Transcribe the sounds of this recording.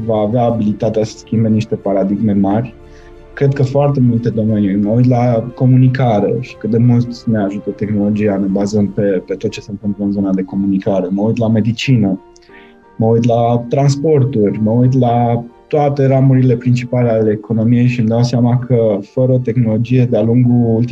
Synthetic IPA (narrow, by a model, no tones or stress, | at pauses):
vaːveaːbilit̪at̪easə̥skʲimbe̞niʃt̪e̞paɾad̪iɡme̞marʲ | kɾe̞d̪̚kəfoart̪e̞mult̪e̞d̪o̞me̞niməujt̪lako̞munikaɾe̞̰ʃi̥kɨt̪̚d̪e̞mult̪ne̞aʒut̪ət̪e̞xno̞lo̞d͡ʒijane̞bazəmpe̞pet̪o̞t̪̚t͡ʃe̞sent̪ɨmpləɨnzo̞nad̪e̞ko̞munikaɾe̞məujt̪lame̞d̪it͡ʃinə | məujt̪lat̪ɾanspo̞rt̪urʲməujt̪̬lat̪oat̪e̞ɾamuɾile̞pɾint͡ʃipale̞aleːko̞no̞mije̞jʃimd̪awseamakʰəfəɾəot̪e̞xno̞lo̞d͡ʒije̞d̪ealuŋɡuult̪